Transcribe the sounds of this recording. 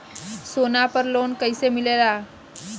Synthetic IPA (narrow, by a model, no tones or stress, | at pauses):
sonapəɾlonkəjsemilela